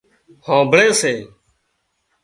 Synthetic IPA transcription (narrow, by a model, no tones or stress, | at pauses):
hãːbʱɽeːseː